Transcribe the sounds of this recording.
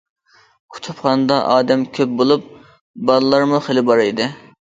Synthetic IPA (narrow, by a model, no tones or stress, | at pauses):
kʰu̥t̪ʰupχɑnd̪ɑʔɑːd̪ɛmkʲʰøp̚bolˠup̚ | bɑlˠɨlːˠɑɾmuχelɪbɑɾɨd̪ɨ